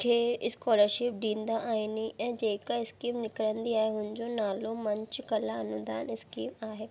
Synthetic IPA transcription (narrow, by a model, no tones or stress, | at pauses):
kʰeːɪskɔːləɾʃɪp̚ɗĩːnd̪aʔaːiniɛ̃ːd͡ʑeːkaɪskiːmnɪkɾə̃nd̪iaːɦeɦʊ̃nɪ̃d͡ʑonaːlomɐ̃ɲt͡ɕkɐlaɐnʊd̪aːnɪskiːmaːɦeː